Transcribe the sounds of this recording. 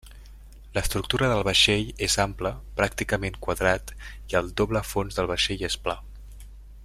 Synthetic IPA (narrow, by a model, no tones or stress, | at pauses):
ləst̪ɾuk̚t̪uɾəðəlˠβəʃeʎezampləpɾak̚t̪ikəmeŋkwəðɾat̪ | iəlˠd̪oβləfonzðəlˠβ̞əʃeʎespla